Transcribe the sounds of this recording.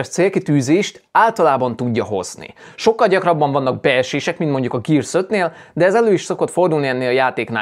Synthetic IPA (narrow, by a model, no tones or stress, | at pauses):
rt̪seːlkit̪yːzeːʃt̪aːlt̪ɒlaːbɒnt̪uɟːɒɦo̞̰z̥nḭ | ʃo̞kːɒlɟɒkrɒbːɒɱvɒnːɒɡ̚bɛɛʃeːʃɛkmint̪mo̞ɲɟukɒɡiːrsøt̪neːl | d̪ɛɛzɛløːiʃso̞ko̞t̪fo̞rd̪ulniɛnːeːlɒjaːt̪eːkna̰ː